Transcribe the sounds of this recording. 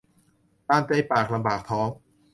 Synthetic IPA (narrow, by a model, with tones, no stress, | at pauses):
t̪aː˧˩nt͡ɕ̪a˧˩jpaː˨˩k̚la˧mbaː˨˩k̚t̪ʰɔː˦˥ŋ